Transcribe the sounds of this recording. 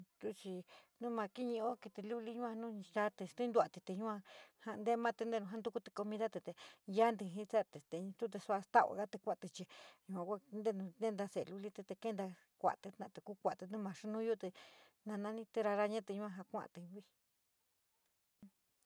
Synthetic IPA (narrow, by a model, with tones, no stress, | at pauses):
t̪u˧t͡ʃi˧nũ˦mã˧ki˦ɲĩ˧o˦ki˧t̪i˧lu˦li˦ɲũ˦ã˧nũ˦˧ʃa˦t̪e˧ʃt̪i˦nd̪u˧a˨t̪i˧t̪e˧ɲũ˦ã˧ha˧nd̪e˦˧mã˦t̪e˧nd̪e˧nũ˧ɦã˦nd̪u˧ku˦t̪e̥˧ko˧mĩ˧ða˦t̪e˧t̪e˨ja˦nd̪i˧ɦĩ˦t͡sa˦t̪e˨t̪ẽ˨˧t̪u˦t̪̬e˧su˧a˧st̪a˦ʔa̰˨ɣa˦t̪e˧kʷa˧˨t̪e˧t͡ʃi˧ɲũ˧ã˨˧kʷa˦˧nd̪e˦˧nũ˧nẽ˦nd̪a˧se˨lu˧li˦t̪e˧t̪e˧ke˦nd̪a˧ | kʷa̰˨ʔt̪e˧nã̰˧˨t̪e˨ku˦kʷa˨t̪e˧nũ˦mã˨ʂu˦nũ˦ju˦t̪e˧nã˧nã˧nĩ˦t̪e˧ɾa˧ɾa˧ɲã˦t̪e˧ɲũ˦ã˧ɦã˧kʷã̰˦ʔt̪e˧i˦˧